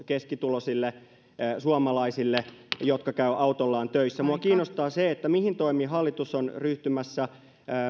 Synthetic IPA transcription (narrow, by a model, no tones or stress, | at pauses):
keskit̪ulosilːe | suɑmɑlɑisilːejot̪kɑkæyʔɑut̪olːɑːnt̪øisːæmuɑkiːnːost̪ɑːseet̪ːæmihint̪oimiːhɑlːit̪usonryht̪ymæsːæ